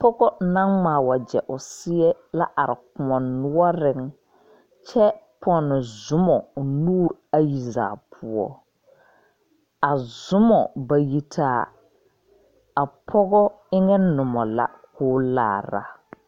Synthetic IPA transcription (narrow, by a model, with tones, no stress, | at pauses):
pɔ˦ɡɔ˦na˦ŋmaː˨wa˨d͡ʒɛ˨ʔʊ˨sɪ˦ɛ˦la˦ʔa˨ɾɪ˨kʊ˨mɔ˨nʊ˦ɔ˦ɾɪ˦ŋ | t͡ʃɛ˦pʰɔ˨nɪ˨zʊ˦mɔ˨nuː˦˨ɾa˦ji˨za̰ː˨pʰu˦ɔ̰˦ | a˨zʊ˦mɔ˨ba˨ji˨tʰaː˦˨ | a˨pʰɔ˦ɣɔ˦ | ɪ˦ŋɛ˦nʊ˨mɔ˨la̰˦kkʊː˦la̰ː˨ɾa̰˦